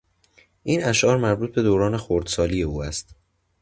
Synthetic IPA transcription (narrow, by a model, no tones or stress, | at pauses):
ʔiːnæʃʔɒːɾmæɾbuːt̪̚be̞d̪oːɾɒːne̞xoɾd̪̥sɒːlije̞uːæst̪